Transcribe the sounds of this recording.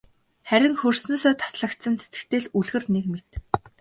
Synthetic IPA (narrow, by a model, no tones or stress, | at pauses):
χæɾʲɪ̆ŋxɵrsnoːsɔːt̪ʰḁsɮə̆kt̪sə̆nst͡se̥t̪ɘ̥̆kt̪eːɮuɮɣɘ̆rnekmet̪